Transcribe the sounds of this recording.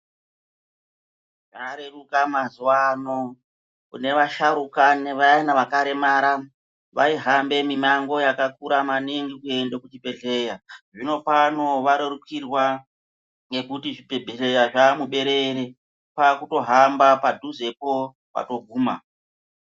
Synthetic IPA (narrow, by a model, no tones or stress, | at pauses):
ʐaɾerukamazuwano̞ | kune̞ʋaʃaɾukaneʋainaʋakaɾe̞maɾa | ʋa̰iɦambe̞mimaŋɡo̞jakakuɾamaniŋɡikue̞ndekut͡ʃipe̞ɮe̞jaʐino̞pano̞ʋaɾerukirwa | ŋɡe̞kutiʐipebʱeɬejaʐamuɓe̞ɾe̞ɾe | pakuto̞ɦambapadʱuze̞po̞ | pa̰to̞ɡʱuːma